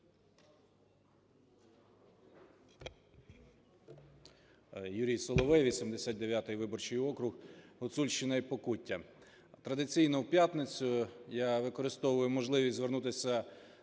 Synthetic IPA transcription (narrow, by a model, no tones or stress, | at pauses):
juɾʲijsɔlˠɔʋɪʋʲisʲimd̪esʲat̪̚d̪eʋʲjat̪ɪjʋɪbɔrt͡ʃɪjɔkɾʊxɦɔsulʲʃt͡ʃɪnɐjpɔkutʲːɐ | t̪ɾɐd̪ɪt͡sʲijnɔwpʲjat̪net͡sʲʊjaʋɪkɔɾɪst̪ɔʋʊjʊmɔʒlˠɪʋʲisʲzʋernut̪ɪsʲɐ